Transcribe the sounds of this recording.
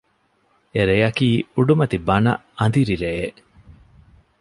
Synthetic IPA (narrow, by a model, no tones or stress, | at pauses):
eɾejɐkiːuɖumɐt̪ibɐnɐ̰ɐnd̪iɾiɾeeʔ